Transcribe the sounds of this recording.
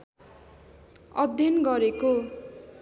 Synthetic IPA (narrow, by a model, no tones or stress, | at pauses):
ʌd̪ʱjʌnɡʌɾeko